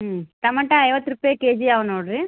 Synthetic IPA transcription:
t̪ɐmɐʈːɐ̃ɐɪʋɐt̪ːɾɯpːeːkeːd͡ʒiɐʋɐnoːɽɯ

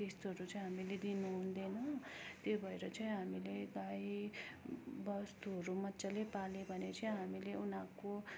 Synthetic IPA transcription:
est̪uɦʌɾut͡saĩɦamiled̪inuɦũnd̪enʌt̪jobʱʌeɾʌt͡saĩɦamileɡaj | bʌst̪uɦʌɾumʌt̪ːsalepalebʱʌnet͡sʌĩɦamileunako

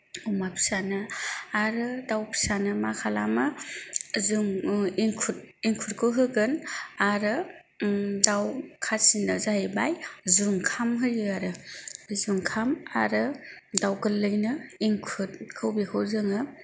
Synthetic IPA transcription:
umapʰi̥sanɯaɾɯdawpʰi̥sanɯmakʰalama | zɯŋiŋkʰut̚ | iŋkʰuɾ̚kʰɯɦɯɡɯnaɾɯ | dawkʰasinɯzahijbajzuŋkʰamɦɯjɯaɾɯzuŋkʰama̰ɾɯdawkɯlːɯjnɯiŋkʰut̚kʰɯwbikʰɯwzɯŋɯ

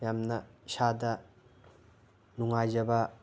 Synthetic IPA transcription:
jamnɐsadɐ | nuŋajzɐbɐ

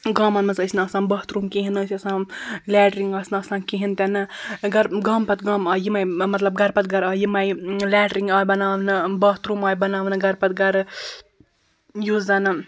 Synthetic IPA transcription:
ɡɐmɐnmɐnzəsʰnɨɐsãːmbɐɦt̪ɾumkeɦinɨsʰɐsãːmlɛːɖɾiŋɡɐsnɨɐsnãːnkeɦint̪ʲanɨɡɐɾɡɐmpɐt̪ɡɐmɐjimajmɐt̪lɐb̚ɡɐɾpɐt̪̚ɡɐɾɐjimajlɛːʈɾiŋɡabɐnaːʋnɨbɐɦt̪ɾuːmɐːjbɐnaːʋnɨɡɐɾpɐt̪̚ɡɐɾ | juzanɨ

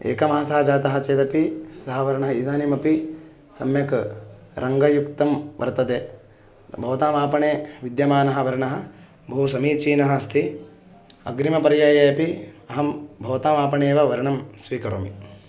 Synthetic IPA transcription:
ḛːkɐmɐɦɐsɐɦɐd͡ʒaːt̪ɐɦɐt͡ʃeːt̪ɐpisɐɦɐʋɐɾɐɳɐɦɐid̪ʱaːnimɐpi | sɐ̰mjɐk | ɾʔɐŋɡɐjukt̪ɐmʋʔɐ̰ɾt̪ɐt̪eː | bʱɐʋt̪aːmaːpɐɳeːʋid̪jɐmaːnɐɦɐ̆ʋɐɾɐɳɐɦɐ̆ | bʱɐusɐmiːt͡ʃiːnɐɦɐɐst̪ʰi | ɐ̰ɡɾimɐpɐɾjaːjɐjɐpiɐɦɐmbʱɐʋt̪aːmaːpɐɳeːʋɐʋɐɾɐɳɐmsʋiːkɐɾo̰ːmḭ

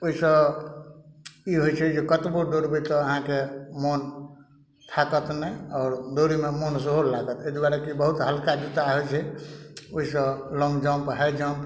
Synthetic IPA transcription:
oɦisə̃ | iɦojt͡ʃʰɛd͡ʒekət̪boɖoɾbit̪ɔəɦãkemon | t̪ʰakət̪nɛɔːɾɖ̪oɾimemonsəɦollaɡət̪ed̪waɾɛkibəɦut̪ɦəlkad͡ʒut̪aɦojt͡ʃʰɛ | oɦisə̃lɔ̃ŋɡd͡ʒampəɦɛd͡ʒamp

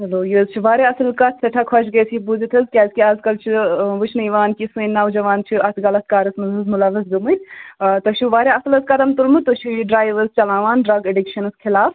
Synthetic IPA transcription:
ɦɐloːjizt͡ʃʰiʋaːɾeɐsɨlkat̪ʰsɐʈʰakʰɐt͡ʃɡɐjsʰibuzit̪ʰɐzkʲaːzkiaːzkɐlt͡ʃʰiʋɨt͡ʃʰnɐjʋaːnkisɨ̃jnːaːwd͡ʒɐʋaːnt͡ʃʰiɐt̪ʰɡɐlɐt̪kaːɾɐsmɐzɐzmulɐʋɐzɡɐmɐjt̪t̪ɐʃiʋaːɾʲjeɐsɨlɐskɐd̪ɐmt̪ulmɨt̪oʃʰijɖɾaːjʋɐzt͡ʃɐlaːʋaːnɖɾɐɡeɖikʃɐnɨskʰilaːf

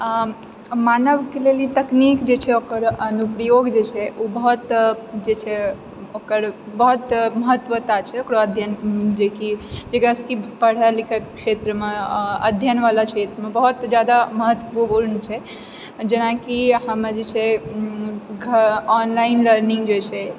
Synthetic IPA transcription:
manəʋkelelit̪əknikd͡ʒet͡ʃʰɛokəɾʔənupɾəjoɡd͡ʒet͡ʃʰɛʔubəɦut̪d͡ʒet͡ʃʰɛ | okəɾbəɦut̪məɦət̪ːʋət̪at͡ʃʰɛokɾoəd̪ʱjənd͡ʒekid͡ʒekɾaskipəɽ̤əlikʰəkkʃet̪ɾəmeə̰d̪ʱjənʋalakʃet̪ɾəmebəɦut̪d͡ʒjad̪aməɦət̪ːbubulnt͡ʃʰɛ | d͡ʒenakiɦəməd͡ʒet͡ʃʰɛ | ɡʱɔnlainləɾniŋɡd͡ʒet͡ʃʰɛ

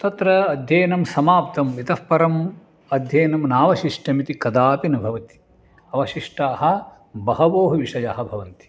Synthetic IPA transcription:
t̪ɐt̪ɾɐɐd̪ʱjeːnɐmsɐmaːpt̪ɐmit̪ɐfpɐɾɐm | ɐd̪ʱjeːnɐmnaːʋɐʃiʂʈɐmit̪ikɐd̪aːpinɐbʱɐʋɐt̪i̥ | ɐʋɐʃiʂʈaːɦɐ̆ | bɐɦɐʋoːɦɐʋiʂɐjaːɦɐ̆bʱɐʋɐnt̪i̥

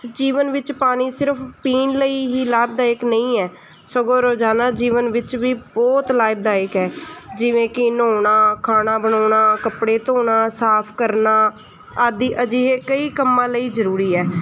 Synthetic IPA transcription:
d͡ʒiːʋənʋɪt͡ʃpaːniːsɪɾəpʰpiːnləiːɦiːlaːɪb̚d̪aːɪknəĩːɛː | səɡoːɾoːd͡ʒaːnaːd͡ʒiːʋənʋɪt͡ʃʋiːbɔːt̪laːɪb̚d̪aːɪkɦɛːd͡ʒɪʋẽːkɪnoːnaːkʰaːnaːbəɳoːɳaːkəpɽeːt̪oːɳaːsaːpʰkəɾnaː | aːd̪iːʔəd͡ʒiːɦeːkəiːkəmːãːləiːzəɾuːɾiːɛː

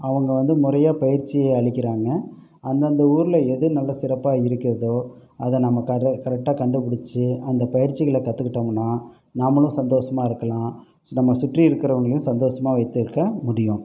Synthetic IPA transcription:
ɐʋɐŋɡɐʋɐnd̪ɯmʊɾɐjaːpɐjɪɾt͡ʃːɪjeɐɭɪkʲːɪɾaːŋɡɐ | ɐnd̪ɐnd̪ɐuːɾɯlɐɛðɯnɐlːɐsɪɾɐpːaːɪɾɯkːɪɾɐðoː | ɐðɛnɐmːɐkɐkɐɾɛk̚ʈaːkɐɳɖɯpɪɽɪt͡ʃːɯɐnd̪ɐpɐjɪɾt͡ʃɪɣɐɭɐkɐt̪ːɯkːɪʈːɐmɐnːaː | namːɐlʊ̃sɐnd̪oːsɐmaːɪɾɯkːɐlãː | soːnɐmːɐsʊʈriɪɾɯkːɪɾɐʋɐŋɡɐɭɐjʊ̃sɐnd̪oːsɐmaːʋɐɪt̪ːɯɾɯkːɐmʊɽɪjʊ̃

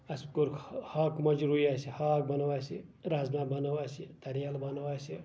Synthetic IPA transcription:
ɐskuɾkʰhaːkmɐd͡ʒɾuiaːsihaːk̚bɐnɐwaːsiɾaːznabɐnɐwaːsit̪ɐɾijalbɐnɐwaːsi

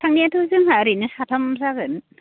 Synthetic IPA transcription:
tʰaŋniatʰɯzɯŋɦaɾinɯsatʰamsaɡɯn

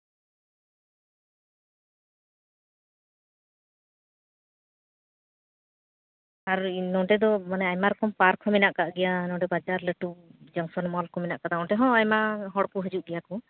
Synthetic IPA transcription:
aɾnɔʈɛd̪ɔmanɛajmaɾɔkɔmpaɾkʰɔminaʔkaʔɡɛjanɔ̃ɖɛbad͡ʒaɾləʈud͡ʒɔŋsɔnmɔlkɔminaʔkat̪aɔʈɛɦɔ̃ajmaɦɔɽkuɦəd͡ʒuʔ̚ɡɛjaku

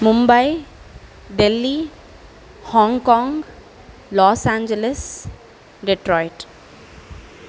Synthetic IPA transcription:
mumbaj | ɖelːi | hɔ̃ŋɡkɔ̃ːŋɡ | lɔːsãːnd͡ʒeles | ɖeʈɾɔːɪʈ

